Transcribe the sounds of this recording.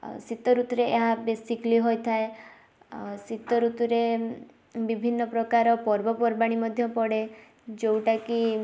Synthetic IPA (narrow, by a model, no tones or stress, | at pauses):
sit̪ɔɾut̪uɾeeɦabesikliɦojt̪ʰae | sit̪ɔɾut̪uɾe | bibʱinːɔpɾɔkaɾɔpɔɾbɔpɔɾbaɽ̃imɔd̪ʱjɔpɔɽe | d͡ʒowʈaki